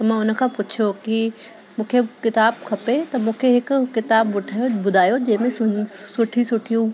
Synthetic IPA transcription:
t̪ɐmãʊnə̆kʰãːpʊt͡ɕʰjoki | mũːkʰekɪt̪aːbkʰɐpet̪ɐmũːkʰeɦɪkʊkɪt̪aːbʊʈʰaːjobʊd̪ʱaːjod͡ʑɐ̃ɦɪ̃mẽsʊsʊʈʰisʊʈʰijũ

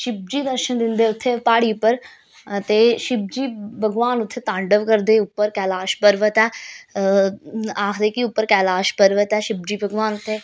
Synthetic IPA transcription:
ʃɪb̚d͡ʒiːd̪əɾʃənd̪ɪnd̪eːʊt̪ʰːeːpaːɽiːʊpːəɾ | t̪eːʃɪb̚d͡ʒiːbəɡʋaːnʊt̪ʰːeːt̪ãːɳɖəʋkəɾd̪eːʊpːəɾkɛːlaːʃpəɾʋət̪ɛː | aːkʰd̪eːkiʊpːəɾkɛːlaːʃpəɾʋət̪ɛːʃɪb̚d͡ʒiːbʱəɡʋaːnʊt̪ʰːeː

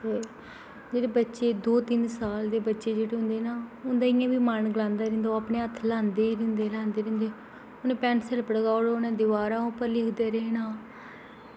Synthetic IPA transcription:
t̪eː | d͡ʒeːɽeːbətːʃeːd̪oːt̪ɪnsaːld̪eːbətːʃeːd͡ʒeːɽeːɦʊ̃nd̪eːnaːʊnd̪aːɪjãːbiːmənɡəlãːnd̪aːɾɪ̃nd̪aaːpɳeːət̪ʰːlãːnd̪eːɾɪ̃nd̪eːlãːnd̪eːɾɪ̃nd̪eː | ʊnẽːpɛːnsəlpəɽɡaːoɽoːʊnãːd̪ɪʋaːɾaːõːpəɾlɪkʰd̪eːɾeːnaː

